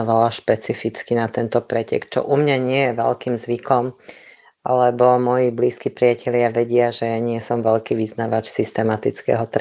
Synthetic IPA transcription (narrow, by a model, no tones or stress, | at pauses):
ɔʋalaʃpɛt͡sifit͡skinat̪ɛnt̪ɔpɾɛcɛ̰kt͡ʃɔ̰ʔumɲaɲɪɛjɛʋɛ̰lkimzʋikɔm | ʔa̰lɛbɔmɔjibliːskipɾɪacʰɛlɪaʋɛɟɪaʒɛjaɲɪɛsɔmʋɛʎkiʋiznaʋat͡ʃsist̪ɛmat̪it͡skɛ̰ɦɔt̪ɾ